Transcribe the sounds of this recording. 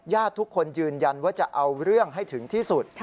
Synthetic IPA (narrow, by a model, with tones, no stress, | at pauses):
jaː˥˩t̪ʰːu˦˥kʰːo˧njɯː˧nja˧nwaː˥˩t͡ɕa˨˩ʔa˧wɾɯ˥˩əŋɦa˥˩jt̪ʰɯ˩˦ŋt̪ʰiː˥˩su˨˩t̪̚